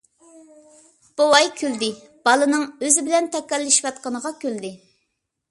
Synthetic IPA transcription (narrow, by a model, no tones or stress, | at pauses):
b̥owɑjkʲʰøld̪ɪ | b̥ɑlˠɨnɨŋøzɪbɪlɛnt̪ɛkʲɛlːɪʃi̥wɑt̪̚qɑnəʁɑkʲʰøld̪ɪ